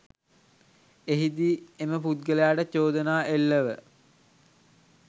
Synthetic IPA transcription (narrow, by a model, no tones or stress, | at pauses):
eɦid̪ieməput̪̚ɡəlejaːʈət͡ʃoːd̪ənaːʔelːəʋə